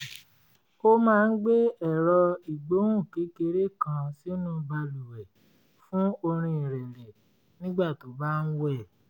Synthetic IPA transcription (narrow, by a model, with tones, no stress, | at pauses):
o˦mãː˦˧n̩˦ɡ͡be˦ɛ˦˨ɾɔ˧i˨ɡ͡bo˨˦ũ˦˨ki˨˦ke˧˦ɾe˦kã˧si˦nũ˦ba˧lu˨wɛ˨ | fũ˦o˧ɾ̃ĩ˧i˨ɾɛ˨ɾɛ˨ | nĩ˦ɡ͡ba˦˨to˨˦ba˦n̩˦wɛ˦˨